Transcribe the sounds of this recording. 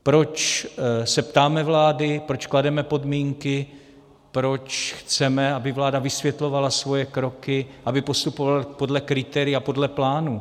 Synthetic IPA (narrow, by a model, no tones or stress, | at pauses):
pɾo̞t͡ʃsɛpt̪aːmɛvlaːdɪpɾo̞t͡ʃkladɛmɛpo̞dmiːŋkɪ | pɾo̞t͡ʃxt͡sɛmɛabɪvlaːdavɪsvjɛt̪lo̞valasvo̞jɛkɾo̞kɪʔabɪpo̞st̪upovalpo̞dlɛkɾɪt̪ɛɾɪapo̞dlɛplaːnu